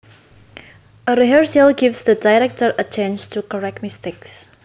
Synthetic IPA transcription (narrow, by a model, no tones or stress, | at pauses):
ʔəɹiɦəɹsəlɡivsdədajɹɛk̚təɹʔət͡ʃɛ̃nstʰukəɹɛk̚tmisteks